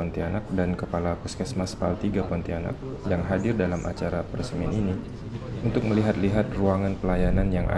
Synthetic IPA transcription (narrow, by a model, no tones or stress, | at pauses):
ɔnt̪ianak̚dankəpalapuskɛsmaspalt̪iɡapɔnt̪iana̰k̚ | jaŋɦadɪrdalamʔa̰t͡ʃaɾapəɾəsəmianini | unt̪ʊk̚məliɦat̪liɦat̪̚ruaŋanpəlajananjaŋʔa̰